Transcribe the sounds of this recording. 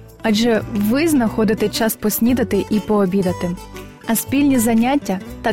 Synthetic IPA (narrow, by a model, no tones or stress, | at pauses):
aʒɛʋɪznɐxɔd̪ɪt̪ɛt͡ʃaspɔsʲnʲid̪ɐt̪ɪʔipɔːbʲid̪ɐt̪ɪ | ɐsʲpʲilʲnʲizɐnʲatʲːɐt̪ɐ